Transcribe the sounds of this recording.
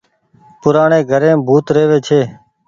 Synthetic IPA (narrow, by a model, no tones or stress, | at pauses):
pʊɾaːɳeːɡʱəɾẽːbʱuːt̪ɾeːʋeːt͡ʃʰeː